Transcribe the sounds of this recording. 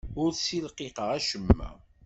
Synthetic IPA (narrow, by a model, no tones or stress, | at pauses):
ʊɾsilqeqəʁæʃəmːæ̰